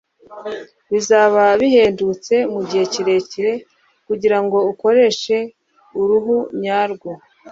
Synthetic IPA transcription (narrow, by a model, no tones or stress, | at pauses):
βizaːβaβihe̞ːndut͡se̞muɟihe̞ciɾe̞ciɾe̞ | kuɟiɾaŋɡo̞uko̞ɾe̞ʃe̞ | uɾuɦuɲaːɾɡwo